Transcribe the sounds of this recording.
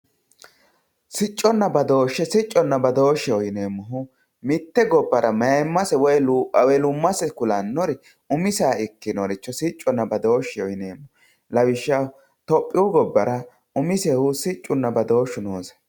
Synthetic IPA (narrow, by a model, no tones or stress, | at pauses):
sɪt͡ʃʼːɔnːɐbɐd̪o̞ːʃːɛsɪt͡ʃʼːɔnːɐbɐd̪o̞ːʃːɛɔjɪneːmːɔɦʊ | mɪt̪ːɛɡɔbːɐɾɐmɐɛmːɐsɛwɔjlɐwelʊmːɐsɛkʊlɐnːɔɾɛ | ʊmɪsaːɪkːɪnɔɾɪt͡ʃːɔsɪt͡ʃʼːɔnːɐbɐd̪o̞ːʃɛɔjɪneːmːɔ | lɐwɪʃːɐ | t̪ɔpʼːɪʊɡɔbːɐɾɐ | ʊmɪsɛhʊsɪt͡ʃʼːʊnːɐbɐd̪o̞ːʃːʊnoːsɐ̥